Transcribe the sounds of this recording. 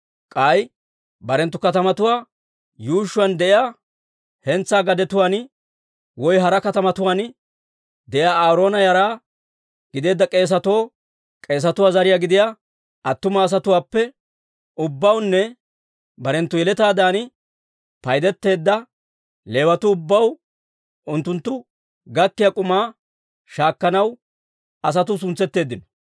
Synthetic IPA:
kʼɐj | bɐɾɛnt̪ːʊkɐt̪ɐmɐt̪ʊwaː | juːʃːʊwand̪ɛʔɪjaː | hɛnt͡sːaːɡɐd̪ɛt̪ʊwaːn | wɔjɦɐɾɐkɐt̪ɐmɐt̪ʊwaːn | d̪ɛʔɪjaːaːɾo̞ːnɐjɐɾaː | ɡ̥ɪd̪e̞ːd̪ːɐkʼe̞ːs̬ɐt̪o̞ː | kʼe̞ːs̬ɐt̪ʊwaːzɐɾɪjaːɡɪd̪ɪjaː | ɐt̪ːʊmɐːs̬ɐt̪ʊwaːpːɛ | ʊbːɐwnːɛ | bɐɾɛnt̪ːʊjɛlɛt̪aːd̪aːnɪ | pɐjd̪ɛt̪ːe̞ːd̪ːɐ | leːwɐt̪ʊːbːɐw | ʊnt̪ːʊnt̪ːʊ | ɡɐkːɪjakʼʊmaː | ʃaːkːɐnɐw | ɐs̬ɐt̪ʊs̬ʊnt͡sːɛt̪ːe̞ːd̪ːɪnɔ

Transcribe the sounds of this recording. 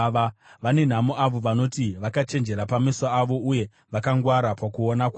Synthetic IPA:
ʋane̞n̤amoʔaʋo̞ʋanotiʋakat͡ʃe̞nd͡ʒe̞ɾapamisaːʋo̞uje̞ | ʋakaŋɡwaɾapakuonakw

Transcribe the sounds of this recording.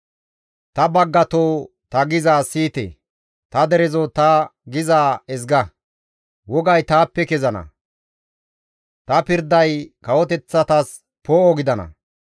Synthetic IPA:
t̪ɐbɐɡːɐt̪oː | t̪ɐɡɪzaːsiːt̪ḛ | t̪ɐd̪ɛɾɛzot̪ɐɡɪzaːɛs̬ɡɐ | wɔɡɐjt̪aːpːɛkɛzɐnɐ̰ | t̪ɐpɪɾd̪ɐjkɐwɔt̪ɛt͡sːɐt̪ɐs | poːʔɔɡɪd̪ɐnɐ̰

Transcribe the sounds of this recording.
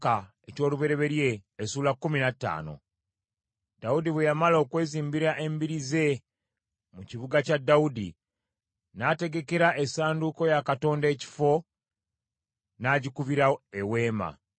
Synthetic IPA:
ka | eco̞ːluβe̞ɾe̞βe̞ɾje̞ːsuːlakːuminatːa̰ːno̞̰ | daudiβwejamalo̞kwe̞ːziːmbiɾaʔe̞mbiɾize̞ | muciβuɡacadːaudi | nate̞ɡe̞ke̞ɾaʔe̞saːnduko̞jakato̞ːnde̞ːci̥fo̞ | naːɟikuβiɾaewe̞ːma̰

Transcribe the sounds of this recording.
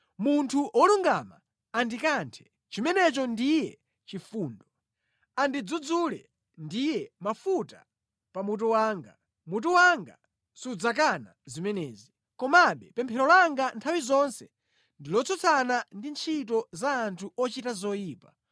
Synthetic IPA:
muntʰuʔɔluŋɡama | andikantʰɛ̥ | t͡ʃimɛnɛt͡ʃɔndijɛ | t͡ʃifuːndɔ | andid͡zud͡zulɛ | ndijɛmafuta | pamut̬ɔwaːŋɡa | mut̬ɔwaŋɡa̰ | sud͡zak̬ana̰zimɛnɛːzi | kɔmaɓɛpɛmpʰɛɾɔlaŋɡantʰawizɔnsɛ | ndilɔt͡sʰɔt͡sʰanandint͡ʃʰit̬ɔzaːntʰuʔɔt͡ʃitazɔjiːpa

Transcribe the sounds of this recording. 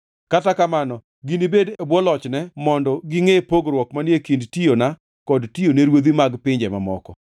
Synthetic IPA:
katakamanɔ | ɡinibedebwɔlɔt͡ʃnɛmɔndɔɡɪŋepoɡɾwɔkmanjekindtijona | kɔdtijoneɾwod̪imaɡpɪɲd͡ʒɛmamɔkɔ

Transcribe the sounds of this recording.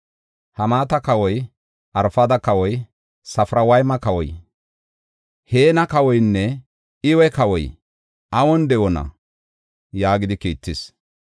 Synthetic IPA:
hɐmaːt̪ɐkɐwɔj | ʔɐɾfɐd̪ɐkɐwɔj | sɐfɾɐwɐjmɐkɐwɔj | he̞ːnɐkɐwɔjnːɛ | ɪwɛkɐwɔj | ʔɐwɔnd̪ɛwɔnɐ̰ | jaːɡɪd̪ɪkiːt̪ːɪs

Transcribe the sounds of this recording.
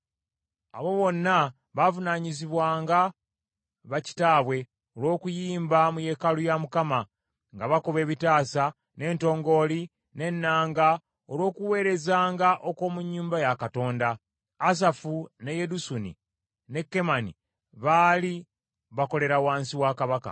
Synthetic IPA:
a̰βo̞βo̞nːa | βavunaɲiziβwaːŋɡa | βaci̥taːβwe̞ | olwo̞ːkujiːmbamuje̞kalujamukama | ŋɡaβakoβe̞ːβitaːsa | ne̞ːnto̞ːŋɡo̞li | ne̞nːaːŋɡa | olo̞ːkuwe̞ːɾe̞zaːŋɡaʔo̞ko̞ːmuɲːuːmbajakato̞ːndaː | s̬afune̞je̞dusunḭ | ne̞kːe̞manḭ | βaːli | βako̞le̞ɾawaːnsiwaːkaβaka̰

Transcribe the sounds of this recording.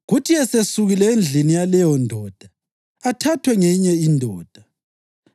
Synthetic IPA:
ɣutʰiɛsesuɣilɛend͡ɮʱinijalɛjɔndʱɔːd̥ʱa | atʰatʰwɛŋeɲɛindʱɔːd̥ʱa

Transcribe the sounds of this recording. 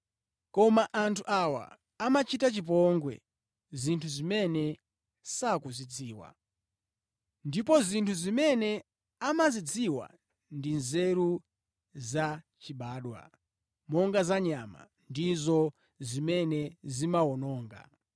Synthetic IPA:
kɔmaʔantʰuʔawa̰ː | mat͡ʃitat͡ʃip̬ɔŋɡwɛ̰ | zintʰuzimɛnɛ | sakuzit͡sʰiːwa̰ | ndip̬ɔzintʰuzimɛnɛ | amazit͡sʰiwa̰ | ndinzɛɾu | za | t͡ʃiɓaːɗwa̰ | mɔŋɡazaɲama̰ | ndizɔ | zimɛnɛzimawɔnɔːŋɡa̰

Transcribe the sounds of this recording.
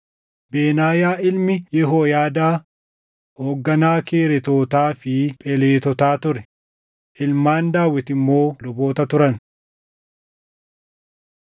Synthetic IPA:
beːnaːjaːɪlmɪjɛɦoːjaːd̪aː | hoːɡːɐnaːkeːɾɛt̪o̞ːt̪aːfɪpʼɛleːt̪ɔt̪aːt̪ʊɾɛ | ʔɪlmaːnd̪aːwːɪt̪ɪmːo̞ːlɔbo̞ːt̪ɐt̪ʊɾɐn

